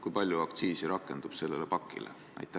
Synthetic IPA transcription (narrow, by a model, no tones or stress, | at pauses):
kujpɑlʲjuɑkt̪siːsiɾɑkːˑe̞nd̪̥ub̥se̞lːelepɑkːˑḭlḛ | ʔɑ̰jt̪ːˑæ